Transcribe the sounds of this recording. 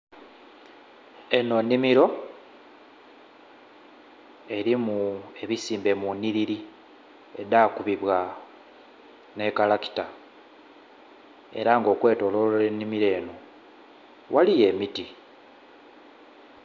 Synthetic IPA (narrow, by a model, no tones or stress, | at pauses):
e̞no̞nːimiɾo̞ | e̞ɾimue̞βisiːmbe̞muniɾiɾi | e̞daːkuβiβwa | ne̞kalaki̥ta | e̞̰ɾaŋɡo̞ːkwe̞ːto̞lolenːimiɾe̞ːno | wʔalije̞miti